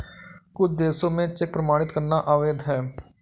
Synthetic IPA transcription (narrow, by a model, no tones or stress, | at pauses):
kʊt͡ʃʰd̪eːsõmẽt͡ʃɛk̚pɾəmaːɽ̃ɪt̪kəɾnaʔaːʋeːd̪ʱɦɛː